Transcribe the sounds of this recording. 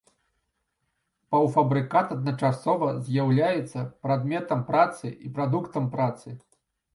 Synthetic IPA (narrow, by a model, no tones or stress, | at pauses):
pɐwfɐbɾɨkat̪ɐd̪nɐt͡ʂasɔvɐzʲjawlʲajɛt̪sːɐpɾad̪mʲɛt̪ɐmpɾat̪sɨʔipɾad̪ukt̪ɐmpɾat̪sɨ